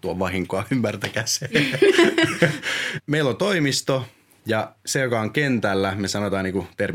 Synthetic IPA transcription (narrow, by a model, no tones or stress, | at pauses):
t̪uɑʋɑɦiŋkoɑymːært̪ækæse | meilːont̪oimist̪o | jɑsejokɑoŋkent̪ælːæmesɑnot̪ɑːniːŋkut̪er